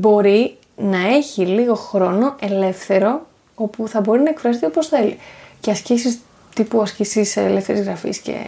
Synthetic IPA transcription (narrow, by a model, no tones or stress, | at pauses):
bo̞ɾi | nɐe̞çiliɣo̞xɾo̞no̞ʔe̞le̞fθe̞ɾo̞ | o̞puθɐbo̞ɾinɐekfɾɐs̬et̪ioposθe̞lḭce̞ɐscisis | t̪ipuɐscisiselefθe̞ɾizɣɾɐfḭsce̞̰